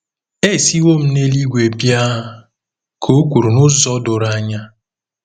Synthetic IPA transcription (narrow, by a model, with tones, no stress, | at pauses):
e˦˨si˦wo˦m̩˦ne˦li˦ɡʷe˨bja˦˨ | kʰo˦kʷu˨ɾu˨nʊ˦zɔ˦dʊ˨ɾa˦ɲa˦